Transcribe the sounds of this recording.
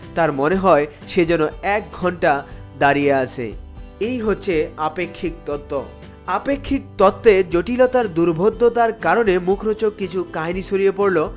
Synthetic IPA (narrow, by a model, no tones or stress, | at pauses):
t̪aɾmoneɦɔe | ʃed͡ʑɔnoɛk̚ɡʱɔɳʈad̪aɾijeat͡ɕʰḛejɦotːɕʰeapekʰːik̚t̪ɔt̪ːo | apekʰːik̚t̪ɔt̪ːed͡ʑoʈilot̪aɾd̪uɾbʱod̪ʱːot̪aɾkaɾonemukʰɾot͡ɕokit͡ɕʰukaɦiniʃʰoɾijepoɾlo